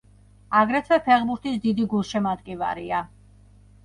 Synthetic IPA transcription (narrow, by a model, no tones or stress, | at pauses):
aɡɾɛt̪ʰvɛpʰɛχbuɾt̪ʰisd̪id̪iɡulˠʃɛmad̪kʼiva̰ɾia